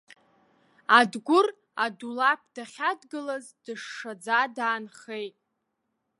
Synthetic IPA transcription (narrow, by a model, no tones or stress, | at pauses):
adɡʷʊr | adulapʰd̥aχʲadɡɨlazdɨʂːad͡zadaːnχejtʼ